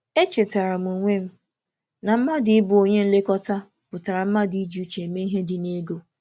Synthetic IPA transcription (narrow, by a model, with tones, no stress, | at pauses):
e˦t͡ʃe˨ta˨ɾa˨mu˨ŋʷe˦m̩˦ | na˨m̩˦ma˦dɪ˨˦ɪ˦bʊ˨o˨ɲe˦n̩˦le˦kɔ˦ta˦ | pʊ˨ta˨ɾa˨m̩˦ma˦di˨i˦d͡ʒi˨u˦t͡ʃe˨me˦i˦ɦe˦dɪ˨ne˦ɡo˦